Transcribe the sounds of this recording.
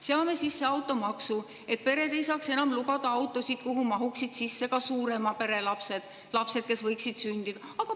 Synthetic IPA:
seɑme̞sisːe̞ɑwt̪ːˑo̞mɑksu | e̞t̪̚pe̞ɾe̞d̪e̞jsɑːkse̞nɑmlubɑd̪̥ɑɑwt̪ːˑo̞sit̪̚kuɦumɑɦuksid̪̥sisːe̞kɑsuːɾe̞mɑpe̞ɾe̞lɑpsed̪̥ | lɑpse̞d̪̥̚ke̞svɤjksid̪̥synʲd̪id̪̥ɑɑɡ̥ɑ

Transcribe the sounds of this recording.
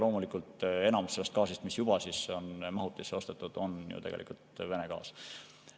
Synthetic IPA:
lo̞ːmulikˑult̪e̞nɑmsselest̪̚kɑːsist̪misjub̥ɑsisonmɑɦut̪ːˑisːeo̞st̪et̪ːˑud̪̥o̞njṵt̪e̞ɡḛlʔḭkult̪ve̞neɡ̥ɑ̰ːs

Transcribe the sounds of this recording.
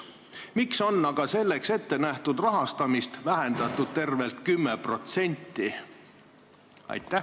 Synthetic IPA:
mikso̞nːɑɡ̥ɑse̞lːe̞kse̞t̪ːe̞næht̪ud̪rɑɦɑst̪ɑmist̪væɦe̞nd̪̥ɑt̪ːˑud̪̥̚t̪e̞rve̞lt̪kymːepro̞t̪se̞nʲt̪ˑːi | ɑ̰jt̪ːˑæ

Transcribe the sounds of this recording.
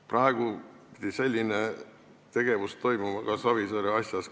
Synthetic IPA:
prɑeɡ̥upi̥d̪̥ise̞lʲːine | t̪e̞ɡ̥e̞vust̪o̞jmumɑkɑsɑvisolʲiɑsʲjɑs

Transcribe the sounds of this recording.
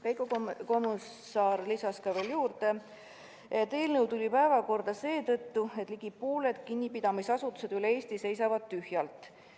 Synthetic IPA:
kɑjkuko̞munː | ɑːrlisɑskɑve̞ːljuːrd̪e̞ | t̪e̞ːlnɤwt̪ulʲipæevɑko̞rd̪̥ɑse̞ːt̪ɤ̞t̪ˑːue̞t̪ˑliɡ̥ipːuːle̞d̪̥kinʲːipid̪̥ɑmisɑsut̪ːˑu̥se̞d̪̥yleeːst̪ise̞js̬ɑvɑd̪̥̚t̪yhjɑlt̪ˑ

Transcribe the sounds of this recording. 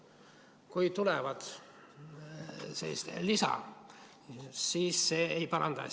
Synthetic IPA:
kujt̪ulɛvɑd̪̥ | sḛlːḭst̪ḛlisɑ̰ | siːsːeːejpɑɾɑ̰nd̪̥ɑ̰

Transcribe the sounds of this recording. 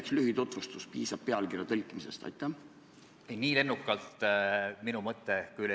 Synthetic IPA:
kslyɦit̪o̞t̪vust̪uspiːsɑb̥̚peɑlkirjɑt̪ɤlʲkːˑimisest̪ɑ̰jt̪ːˑɑ | ejniːle̞nːukːˑɑlt̪ˑminumɤt̪ːˑekuyj

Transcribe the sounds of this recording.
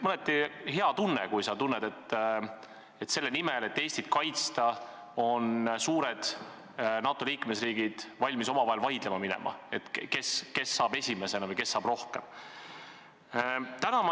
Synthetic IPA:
mɤlet̪ːiɦeɑt̪unːekujsɑt̪unːed̪e̞t̪ː | et̪se̞lːe̞nimele̞t̪ːe̞ːsʲt̪id̪̥kɑjt̪st̪ɑ | o̞nsuːɾed̪̥ | nɑːt̪ːˑoliːkme̞sriːɡ̥id̪̥vɑlʲmiso̞mɑvɑɦelvɑjd̪̥lemɑminɛ̰mʔɑ̰e̞t̪ke̞ske̞sːɑːb̥e̞sʲime̞senɑvɯjke̞sːɑːb̥ro̞hkem | t̪ænɑm

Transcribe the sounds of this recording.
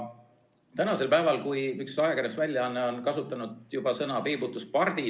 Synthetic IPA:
t̪ænɑse̞lpæevɑlkujyksɑjɑkæɾesvælʲjɑɑnːeo̞nkɑsut̪ːˑɑnud̪jub̥ɑsɤnɑpeːbut̪ːˑuspɑrd̪̥i

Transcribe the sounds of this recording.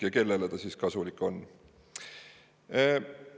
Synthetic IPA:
jɑke̞lːe̞let̪ɑsiːskɑsulikːˑo̞nː

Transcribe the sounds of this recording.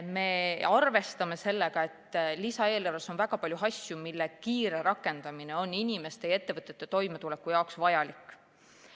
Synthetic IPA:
me̞ɑrve̞st̪ɑme̞se̞lːeɡ̥ɑe̞t̪ːˑlisɑe̞ːlɑrɑso̞nvæɡ̥ɑpɑlʲjuɦɑsʲjumilːekiːɾe̞ɾɑkːˑe̞nd̪̥ɑmine̞o̞nːinʲime̞st̪eje̞t̪ːe̞vɤt̪ːˑet̪ːˑe̞t̪o̞jmet̪ule̞kːˑujɑoksvɑjɑlikːˑ

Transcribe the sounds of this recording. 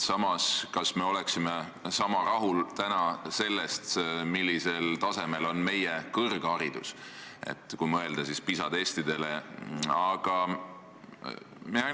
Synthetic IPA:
sɑmɑskɑsme̞o̞le̞ksime | sɑmɑrɑɦult̪ænɑse̞lːest̪milːise̞lt̪ɑse̞me̞lo̞nme̞jekɤrɡ̥ɑɾid̪̥ṵsḛt̪ːˑkumɤe̞ld̪̥ɑsispisɑd̪e̞ːst̪id̪e̞leɑɡ̥ɑ | mi

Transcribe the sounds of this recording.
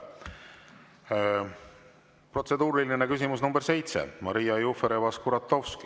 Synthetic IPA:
pro̞t̪se̞d̪uːɾilinekys̬imusnumbe̞ɾse̞jt̪sḛmɑɾijɑjufeɾevɑskuɾɑt̪ːˑo̞wski

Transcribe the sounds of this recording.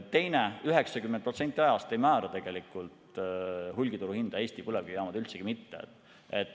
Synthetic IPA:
t̪ːe̞jneyɦe̞ksɑkymːen̚prot̪se̞nt̪ʲːˑiɑjɑst̪e̞jmæːɾɑt̪e̞ɡ̥e̞likːˑult̪ | hulʲɡit̪uɾuhind̪̥ɑeːsʲt̪ipulevɡ̥ijɑːmɑd̪̥ylt̪seɡ̥imit̪ːḛ | et̪ːˑ

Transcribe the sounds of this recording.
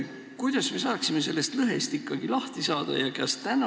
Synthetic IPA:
kujd̪̥ɑsme̞sɑːksime̞s̬e̞lːe̞st̪lɤɦe̞st̪ikːɑɡ̥ilɑht̪isɑːd̪̥ɑ̰jɑkɑst̪æn

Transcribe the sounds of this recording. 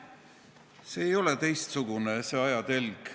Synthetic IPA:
seːjo̞let̪e̞jst̪suɡ̥unese̞ɑjɑt̪e̞lɡ̥

